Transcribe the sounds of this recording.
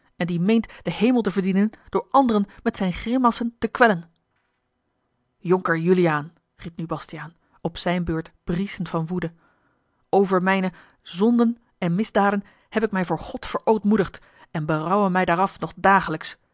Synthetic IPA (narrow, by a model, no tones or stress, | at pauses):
ɛndimejntd̥əɦejmlˠtəvəɹdinənd̥ʊːɹɑndərənmɛtsɛjnχrɪmɑsəntəkʋɛlən | jɔŋkəɹjyliaːn | rip̚nybɑstijaːn | ɔpsɛjnbøːɹtb̥risəntfɑnʋudə | owvəɹmɛjnə | zɔndən | ɛnmɪzdaːdən | hɛpɪkmɛjvʊːɹχɔtfəɹʔowtmudəχt | ɛnbərɑwəmɛjdaːɾɑfnɔχdaːχələks